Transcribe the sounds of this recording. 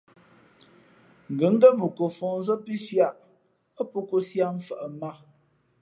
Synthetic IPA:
ŋ̩˨ɡə˨˦ŋ̩˦ɡə˦mə˨ko˨fɔ˨ŋ˦zə˦pi˦sja˦˨ʔ | ə˦po˦ko˦sja˦m˦fə˨ʔə˨ma˦

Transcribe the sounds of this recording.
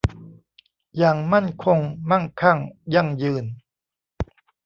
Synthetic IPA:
jaː˨˩ŋma˥˩nkʰo˧ŋma˥˩nkʰa˥˩ŋja˧˩ŋjɯː˧n

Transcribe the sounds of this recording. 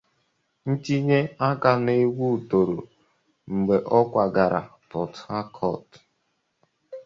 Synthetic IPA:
n̩˦t͡ʃi˦ɲe˦a˦ka˨ne˦ɡʷu˦˨to˨ɾo˨ | ŋ͡m̩˨ɡ͡be˨ʔɔ˦kʷa˨ɡa˨ɾa̰˨pɔ˨ta˦kʰɔ˦˨t

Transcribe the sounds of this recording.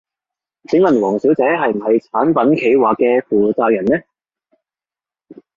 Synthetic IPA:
t͡sʰɪ˨˥ŋlɐ˨˩nwɔː˨˩ŋsi˨˥wt͡sɛː˨˥ɦɐ˨jm̩˨˩hɐ˨jt͡sʰaː˨˥npɐ˨˥nkʰe˨˧jwaː˨˩kːɛː˧fuː˨˩t͡saː˧jɐ˨˩nnɛ˥

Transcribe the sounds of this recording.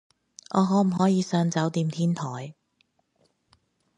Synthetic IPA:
ʔɔː˨˧ɦɔː˨˥m̩˨˩ɦɔː˨˥jiː˨˧sœː˧ŋt͡sɐ˨˥wt̪iː˧mt̪ʰiː˥nt̪ʰɔː˨˩j

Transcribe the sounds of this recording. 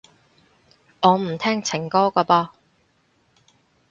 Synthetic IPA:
ŋɔː˨˧m̩˨˩t̪ʰɛː˥ŋt͡sʰɪ˨˩ŋkɔː˥kɔː˧pɔː˧

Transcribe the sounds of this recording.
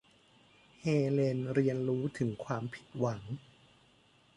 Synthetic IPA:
heː˧le˧nɾi˧ənɾuː˦˥t̪ʰɯ˩˦ŋkʰwaː˧mpʰi˨˩t̪̚wa˩˦ŋ

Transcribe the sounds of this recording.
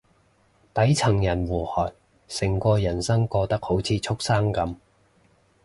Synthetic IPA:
t̪ɐ˨˥jt͡sʰɐ˨˩ŋjɐ˨˩nwuː˨˩hɔː˨˩n̚ | sɪ˨˩ŋkʷɔː˧jɐ˨˩nsɐ˥ŋkɔː˧t̪ɐ˥k̚ho˨˥wt͡sʰiː˨˧t͡sʰʊ˥k̚saː˥ŋkɐ˨˥m

